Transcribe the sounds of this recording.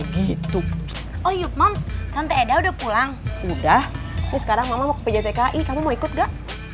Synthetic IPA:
ɡit̪ʊ | ʔɔjumamst̪ant̪ɛedaudahpulaŋudah | mɛsə̥kaɾaŋmamamakpəd͡ʒat̪ekaʔikamumoikʊt̪̚ɡaʔ

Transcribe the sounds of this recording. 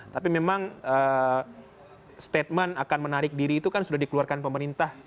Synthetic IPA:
t̪apimemaŋəː | st̪et̪̚mənakanmənaɾɪk̚diɾiːt̪ukansudahdikəluarkanpəməɾint̪ah

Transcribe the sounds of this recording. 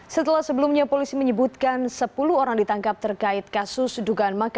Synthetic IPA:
sət̪əlahsəbəlumɲapolisiməɲəbut̪̚kansəpuluoɾaŋdit̪aŋkap̚t̪ərkaɪt̪̚kasʊsduɡaːnmaka

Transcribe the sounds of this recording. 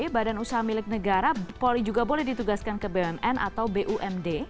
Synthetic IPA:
badanusaɦamilɪk̚nəɡaɾapolid͡ʒuɡabolɛhdit̪uɡaskankəbeɛnɛnʔa̰t̪awbeʔuʔɛmde

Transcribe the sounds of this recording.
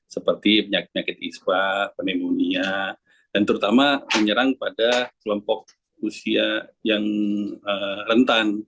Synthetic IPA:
səpərt̪ipəɲak̚pəɲakɪt̪ispapənemonia | d̥ant̪əɾut̪amaməɲəɾaŋpadakəlɔmpɔk̚ | usiajaŋərənt̪an

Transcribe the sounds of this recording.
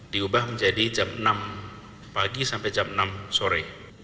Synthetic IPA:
diubahməɲd͡ʒadid͡ʒamnam | paɡisampɛjd͡ʒamnamsɔɾɛj

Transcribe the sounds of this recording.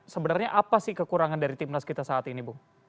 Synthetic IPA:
səbənarɲaʔapasɪhkəkuɾaŋandaɾit̪imnaskit̪asaːt̪inibuh

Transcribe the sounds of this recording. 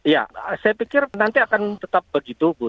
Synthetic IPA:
ja̰sajapikɪrnant̪iakant̪ət̪ap̚bəɡit̪ubu

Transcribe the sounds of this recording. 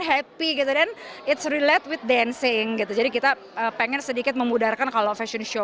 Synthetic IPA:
nɦɛpiɡit̪udɛnɪtsɾilɛt̪̚wɪt̪̚dɛnsɪŋɡit̪ud͡ʒadikit̪a | əːpɛŋɛnsədikɪt̪̚məmudarkankalofɛʃɔnʃo

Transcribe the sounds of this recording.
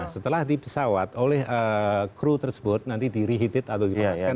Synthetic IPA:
sət̪əlahdipəsawat̪olɛhʔəkɾut̪ərsə̥bʊt̪̚nant̪idiɾiɦit̪ɪt̪at̪adimaska

